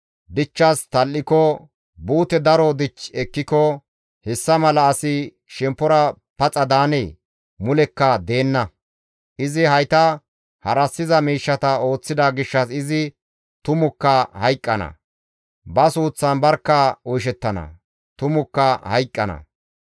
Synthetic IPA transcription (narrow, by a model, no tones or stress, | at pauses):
d̪ɪt͡ʃːɐst̪ɐlːɪkɔ | buːt̪ɛd̪ɐɾɔd̪ɪt͡ʃːɛkːɪkɔ | hɛsːɐmɐlɐːsɪ | ʃɛmpːɔɾɐ | pɐt͡sʼɐd̪aːne | mʊlɛkːɐd̪e̞ːnːɐ | ʔɪzɪhɐjt̪ɐ | hɐɾɐsːɪzɐmiːʃːɐt̪ɐo̞ːt͡sːɪd̪aɡɪʃːɐsɪzɪ | t̪ʊmʊkːɐhɐjkʼːɐnɐ̰ | bɐsuːt͡sːɐnbɐɾkːɐɔjʃ̬ɛt̪ːɐnɐ̰ | t̪ʊmʊkːɐhɐjkʼːɐnɐ̰